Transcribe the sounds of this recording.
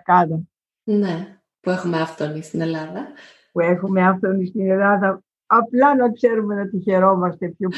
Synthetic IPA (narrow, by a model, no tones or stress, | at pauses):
kɐðɐ | ne | puexumeɐft̪onist̪inelɐðɐ | puexumeɐft̪onist̪ine̞lɐðɐ | ɐplɐnɐkseɾume̞nɐt̪içeɾomɐst̪epço